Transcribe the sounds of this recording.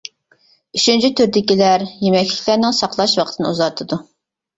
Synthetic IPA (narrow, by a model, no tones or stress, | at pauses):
yt͡ʃʰynt͡ʃʰit̪ʰyɾd̪ɪkʲilæɾjemɛkʲlɪ̥kʲlæɾnɪŋsɑqlˠɑʃwɑqʰət̪ʰɨnɨ̰uzɑɾt̪ʰɨd̪u